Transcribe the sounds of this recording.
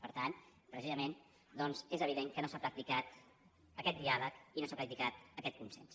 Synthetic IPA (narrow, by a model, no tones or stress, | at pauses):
pəɾt̪an | pɾəsizəmen | d̪ɔnzezəβ̞iðeŋkənosapɾək̚t̪ikat̪ | əkɛt̪d̪ialəkinosapɾək̚t̪ikat̪əkɛt̪̚kunsɛ̰ns